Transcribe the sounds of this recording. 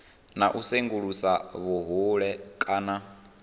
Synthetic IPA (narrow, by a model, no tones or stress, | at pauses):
naʔuseŋɡuɺusaβuɦuɺɛkʼaːna